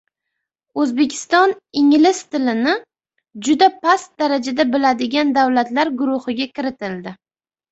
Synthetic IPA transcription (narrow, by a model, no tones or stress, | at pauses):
ɵzbe̞kʲʰɪ̥st̪ɒnɪŋlɪst̪ɪlɪnɪ | d͡ʒʊd̪apʰast̪̚d̪aɾad͡ʒad̪abɪlad̪ɪɡʲand̪awlat̪laɾɡʊɾʊhɪɡʲakʲɪɾɪt̪ʰɪld̪ɪ